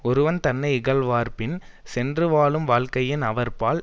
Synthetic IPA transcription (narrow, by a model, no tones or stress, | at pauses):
ɔɾɯʋɐnt̪ɐnːɐɪɪɣɐlʋaːɾpɪn | sɛndrɯʋaːɭɯmʋaːɭkɐjɪnɐʋɐɾpaːɭ